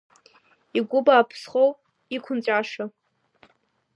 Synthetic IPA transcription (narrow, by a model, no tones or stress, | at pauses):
iɡʷʊbaːpʰsχow | ikʷʰʊnt͡ɕʷʼaʂa